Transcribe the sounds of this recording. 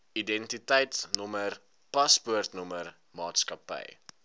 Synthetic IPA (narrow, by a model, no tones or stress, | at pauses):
idɛntitɛjtnumər | pɐspuərtnumər | mɑːtskɐpə̰j